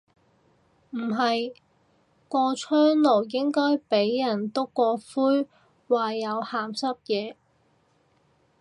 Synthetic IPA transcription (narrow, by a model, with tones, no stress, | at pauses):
m̩˨˩ɦɐ˨j | kʷɔː˧t͡ʃʰœː˥ŋlo˨˩wjɪ˥ŋkɔː˥jpe˨˥jːɐ˨˩nt̪o˥kːɔː˧fuː˥j | waː˨jɐ˨˧whaː˨msɐ˥p̚jɛː˨˧